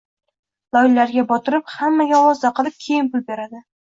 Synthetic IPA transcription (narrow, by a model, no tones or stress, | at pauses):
lˠɒjlːaɾɡʲabɒt̪ʰɪɾɪphamːaɡʲaɒwɒzd̪aqɨlˠɪp̚kʲʰejɪnpʊlˠbe̞ɾad̪ɪ